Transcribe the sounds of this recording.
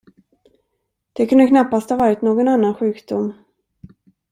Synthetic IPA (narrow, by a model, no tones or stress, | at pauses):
d̪̥ɛkʰɵnd̪əkʰnapːast̪havɑːɾɪt̪noːɡɔnanːanɧʉ̟ːkd̪ʊmː